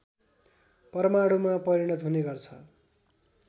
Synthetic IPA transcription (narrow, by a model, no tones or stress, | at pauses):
pʌɾmaɽumapʌɾiɽ̃ʌt̪ɦuneɡʌrt͡sʰʌ